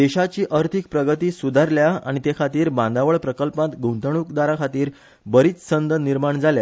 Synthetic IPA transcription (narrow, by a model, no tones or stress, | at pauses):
d̪eɕat͡ɕiːʔəɾt̪ʰik̚pɾəɡət̪iːsud̪ʱaɾljaa̰ɽ̃it̪ekʰat̪iːɾbãnd̪aʋəɭpɾəkəlpãt̪ɡʱũnt̪əɳ̃ukd̪aɾakʰat̪iːɾ | bəɾiːt͡ssənd̪əniɾmaɳd͡zalja